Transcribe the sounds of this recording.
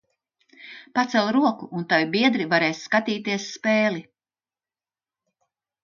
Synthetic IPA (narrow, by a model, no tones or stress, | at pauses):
pat̪sɛlˠɾuɔkuʔunt̪avibiɛd̪ɾivaɾeːsːkat̪iːt̪iɛsːpeːli